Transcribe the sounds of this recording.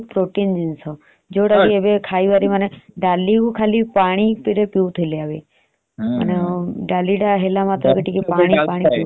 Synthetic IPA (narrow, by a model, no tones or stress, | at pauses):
pɾoʈind͡ʒensɔ | d͡ʒoɽakiebekʰaiʋaɾimaneɖalikukʰaːlipaːɽ̃ipiɾepiut̪ʰileaʋe | ə̰neɖaliɖaɦelamat̪ɾəkiʈikepaɽ̃ipaːɽ̃ipi